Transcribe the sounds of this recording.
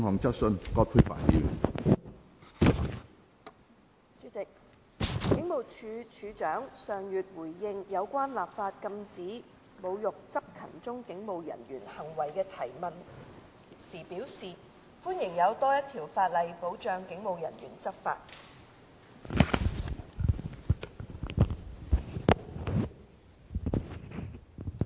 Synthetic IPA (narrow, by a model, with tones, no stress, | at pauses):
ŋhɔː˨ŋt͡sɐ˥t̚sɵ˧nkɔː˧t̚pʰu˧jfa̰ː˨˩njḭ˧w | t͡syː˨˥t͡sɪ˨k̚ | kɪ˨˥ŋmo˨˩wt͡ʃʰy˨˧t͡ʃʰyː˨˧t͡ʃœː˨˥ŋsœː˨˩ŋjyː˨t̚wuː˨˩jːɪ˧ŋjɐ˨˧wkʷaː˥nlaː˨˩p̚faː˧t̚kɐ˧mt͡siː˨˥ | mo˨˧wjʊ˨k̚t͡sɐ˥p̚kʰɐ˨˩nt͡sʊ˥ŋkɪ˨˥ŋmo˨wjɐ̰˨˩njyː˨˩nhɐ˨˩ŋwɐ˨˩jkɛː˧t̪ʰɐ˨˩jmɐ˨n | siː˨˩piː˨˥wsiː˨˩ | fuː˥njɪ˨˩ŋjɐ˨˧wt̪ɔː˥jɐ˥t̪ʰi˨˩wfaː˧t̚lɐ˨jpo˨˥wt͡ʃœː˨˧ŋkɪ˨˥ŋmo˨˧wjɐ̰˨˩njy̰ː˨˩nt͡sɐ˥p̚fa̰ː˧t̚